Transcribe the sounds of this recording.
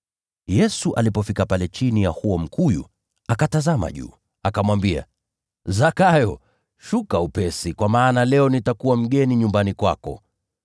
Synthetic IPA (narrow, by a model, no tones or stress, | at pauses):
jɛsuʔa̰lipɔfikapalɛt͡ʃinijahuɔm̩kʰujṵ | akatazama̰ʄṵː | akamwambia̰ | zakajɔ | ʃukaupɛsikwamaːnalɛɔnitakuwam̩ɠɛniɲumbanikwa̰kɔ̰